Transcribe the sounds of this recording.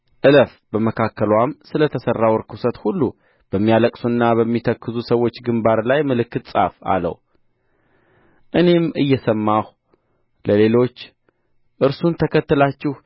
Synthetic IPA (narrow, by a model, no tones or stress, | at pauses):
ʔɨləf | bəməkʰakʰːəlwamsɨlət̪ʰəsərːawɾkʰusət̪hulːu | b̥əmːijaləkʼsunːabəmːit̪ʰəkːɨzusəwo̞t͡ʃːɡɨmbaɾlajməlɨkːɨt̪sʼa̰fa̰lə̰w | ʔɨne̞mɨjːɛsəmːah | ləle̞lo̞t͡ʃː | ʔɨɾsunt̪ʰəkʰət̪ːɨlat͡ʃːɪh